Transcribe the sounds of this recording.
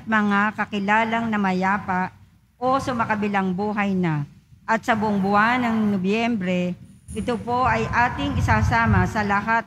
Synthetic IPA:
ɐt̪̚mɐŋakɐkɪlaːlɐŋnɐmɐjaːpaʔ | ʔosʊmɐkɐbɪlaŋbuːɦɐjnɐʔɐt̪̚sɐbʊʔoŋbʊʔanːɐŋnobjɛmbɾɛʔɪt̪opo̞ʔɐjʔaːt̪ɪŋɪsaːsaːmɐsɐlɐɦat̪̚

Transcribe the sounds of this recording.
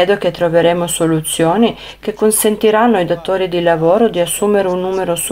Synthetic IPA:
ɛːd̪oket̪ːɾoveɾeːmosolut̪sːjoːni | k̟ekːonsent̪iɾanːoajd̪at̪oːɾid̪ilavoːɾod̪iasːuːmeɾeunːuːmeɾos

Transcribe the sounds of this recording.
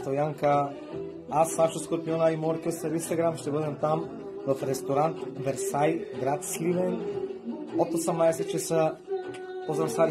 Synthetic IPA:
t̪ojaŋka | asnaʃuskoɾpijonaimɔɾkəsəɾinst̪aɡɾamʃt̪ɛbəd̪ɛmt̪am | vafɾɛst̪oɾant̪vɛɾsajɡɾat̪slivɛn | ot̪osɐmnaɛsɛt̪t͡ʃəsə | pozasaɾ

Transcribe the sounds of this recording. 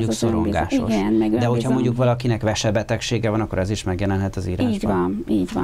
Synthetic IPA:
uksoɾo̰ŋɡa̰ːʃio̰ɡɛnmɛɡd̪ɛɦochɒmoɲɟukʋɒlɒkinɛkʋɛʃɛbɛt̪ɛkʃeːɡɛvɒnɒkːo̰ɾɛziʃmɛɡjɛlɛnɦɛt̪ɒziːɾaːʒɟvɒniːɟʋɒ

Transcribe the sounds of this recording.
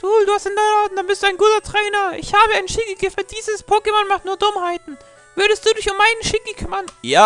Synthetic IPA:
d̥uːduːhastɪndanatn̩d̥anbɪstd̥uːaɪnɡuːtɐtʁ̥ɛːnɐʔɪçhaːbəaɪnʃɪkiɡəfəd̥iːzəspʰoːkəmɔnmaχtnuːɐdʊmhaɪtn̩ | vʏɐɾəst̚d̥uːdɪçʊmːaɪnənʃɪkikʰʏmɐnjaː

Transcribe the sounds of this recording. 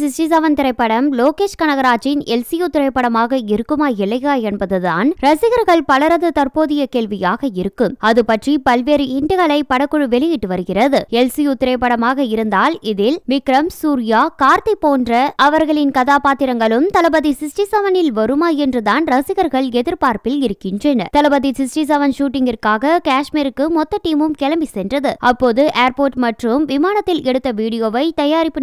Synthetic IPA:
sɪsʈɪs̬ɐʋɐnt̪ɪɾɐɪpːɐɽɐmloːkeːʂkɐnɐɣɐɾaːt͡ʃɪnɛlsɪjʊt̪ːɪɾɐɪpːɐɽɐmaːɣɐɪɾɯkːɯmaːɛɭːɐjaːɛnbɐðɯða̰ːnɾɐsɪɣɐɾɣɐɭpɐlɐɾɐðɯt̪ɐɾpoːðɪjɐkeːlʋɪjaːɣɐɪɾɯkːɯmɐðɯpɐʈripɐlʋeːɾɯɪɳɖɯɣɐɭɐɪpːɐɽɐkːɯɻɯʋɛɭɪjɪʈːɯʋɐɾɯɣɪrɐðɯɛlsijʊt̪ːɪɾɐɪpːɐɽɐmaːɣɐɪɾɯnd̪aːlɪðɪlmɪkɾɐmsuːɾɪjaːkaːɾt̪ɐpːoːndrɐʔɐʋɐɾɣɐɭɪnkɐðaːpaːt̪ɪɾɐŋɡɐɭɯmt̪ɐlɐbɐðisɪsʈɪsɐʋɐnɪlʋɐɾɯmaːɛndrɯðaːnɾɐsɪɣɐɾɣɐɭɛðɪɾpaːɾpɪlɪɾɯkːɪndrɛnɐt̪ɐlɐbɐðisɪsʈis̬ɐʋɐnʂuːʈːɪŋɡɪrkaːɣɐkaːʂmiːɾɯkːɯmɔt̪ːɐʈːiːmɯmkɛlɐmbisɛndrɐðɯɐpːoːðɯʔeːɾpoːʈmɐʈrɯmʋɪmaːnɐt̪ːɪlʔɛɽɯt̪ːɐʋiːɽɪjoːʋɐɪt̪ɐjaːɾɪpːɯ

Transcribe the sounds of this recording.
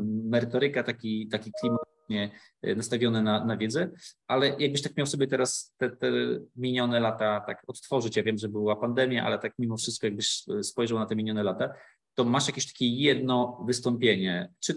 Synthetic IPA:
mɛɾɘt̪ɔɾɘkat̪akʲit̪akʲiklʲimat̪ | ɲɛ | nast̪avʲjɔnɛnanavʲjɛd̪zɛʔalɛjaɡ̚bɘɕt̪ak̚mʲjawsɔbʲjɛt̪ɛɾast̪ɛt̪ɛmʲiɲɔnɛlat̪at̪a̰kɔt̪t̪fɔʐɘt͡ɕjavʲjɛmʐɛbwapand̪ɛmʲjaʔa̰lɛt̪ak̚mʲimɔfʂɨst̪̚kɔjaɡ̚bɘɕspɔjʐawnat̪ɛmʲiɲɔnɛlat̪a | t̪ɔmaʂjakʲeɕt̪ḁkʲɛjɛd̪nɔvɘst̪ɔmpʲjeɲɛt͡ʂɘ

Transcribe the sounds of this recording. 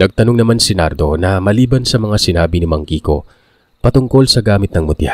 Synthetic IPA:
nɐɡ̚t̪ɐnoŋnɐmansɪna̰ɾd̪o̞nɐmɐliːbɐnsɐmɐŋasɪnaːbinɪmɐŋkiːko̞̰ | pɐt̪ʊŋko̞lsɐɡaːmɪt̪̚nɐŋmʊt̪ɪha

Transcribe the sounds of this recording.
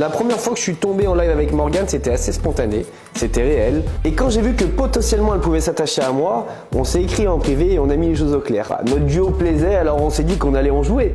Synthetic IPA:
lapχəmjɛʁfwakəʒ̥əsɥit̪ɔ̃beɑ̃lajvavɛkmɔʁɡanset̪ɛasespɔ̃t̪ane | set̪ɛʁeɛlekɑ̃ʒevykəpɔt̪ɑ̃sjɛlmɑ̃ɛlpuvɛsat̪aʃeamwa | ɔ̃sɛekχiɑ̃pχiveːɔ̃namileʃ̬ozoklɛ̰ːʁ̰nɔt̪d̪yoplɛzɛalɔʁɔ̃sɛd̪ikɔ̃nalɛɑ̃ʒue

